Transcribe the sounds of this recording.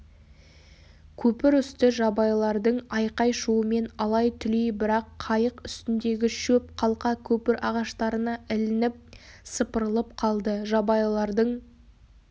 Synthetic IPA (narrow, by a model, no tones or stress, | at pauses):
kʲʰɵpɪɾʏst̪ɪʒɑbɑjlˠɑɾd̪əɴɑjqɑjʃuəme̞nɑlˠɑjt̪ʰʏlijbɪɾɑqʰːɑjəqʏst̪ɪnd̪e̞ɡʲɪʃɵp̚qʰɑlˠqɑkʲʰɵpɪɾɑʁɑʃt̪ɑɾənɑʔɪlɪnɪp̚səpəɾəlˠəp̚qʰɑlˠd̪əʒɑbɑjlˠɑɾd̪əɴ